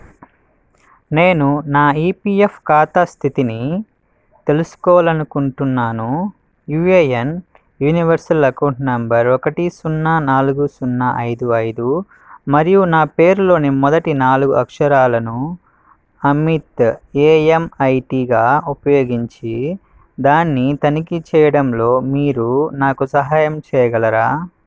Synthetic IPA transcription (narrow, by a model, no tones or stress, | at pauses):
neːnunaːiːpiːepʰkaːt̪ast̪ʰit̪ini | t̪e̞lusu̥kɔːʋalɐnukuɳʈunːaːnu | jueːjen | juːniʋɐɾsɐlɐkɐwɳʈnɐmbɐɾɔkɐʈisunːaːnaːluɡusunːaʔɐjd̪uɐjd̪u | mɐɾijunaːpe̞ːɾulo̞ːnimɔd̪ɐʈinaːluɡuɐkʂɐɾaːlɐnu | ɐmit̪eːemɐjʈiːɡaːupɐjo̞ːɡiɲt͡ʃi | d̪aːnːit̪ɐnikit͡ʃɛːjɐɽɐmlo̞ːmiːɾunaːkusɐɦaːjɐmt͡ʃɛːjɐɡɐlɐɾaː